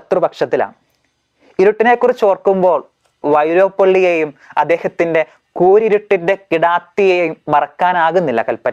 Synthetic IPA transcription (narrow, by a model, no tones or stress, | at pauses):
ɐt̪rubɐkʂɐt̪ːila̰ːɳ | iɾuʈːine̞ːkːurit͡ɕːo̞ːrkːumbo̞ːɭ | ʋɐjɾoːpːɐɭːijejumɐ̰d̪ːe̞ːhɐt̪ːinde̞ | kuːɾiɾuʈːinde̞kiɽaːt̪ːijejjumbɐrɐkːaːnaːɣunːilːɐ̰kɐlpːɐn